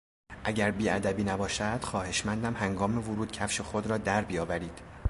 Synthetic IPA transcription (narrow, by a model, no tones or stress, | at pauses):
ʔæɟæɾbiːæd̪æbiːnæbɒːʃæd̪̥xɒːhe̞ʃmænd̪æmhæŋɡɒːmevoɾuːd̪̥̚cʰæfʃe̞xod̪ɾɒːd̪æɾbijɒːvæɾiːd̪̥